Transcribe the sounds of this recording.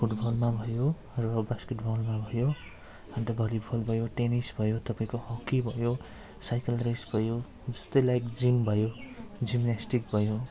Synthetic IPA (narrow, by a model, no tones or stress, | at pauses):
pʰuʈbʌlmabʱʌjo | rʌbaskeʈbʌlmabʱʌjo | ʌnt̪ʌbʱʌlipʰʌlbʱʌjoʈenisbʱʌjot̪ʌpaĩkohʌkːibʱʌjo | sajkʌlresbʱʌjo | d͡zʌst̪ʌjlajkd͡zimbʱʌjod͡zimnasʈik̚bʱʌjo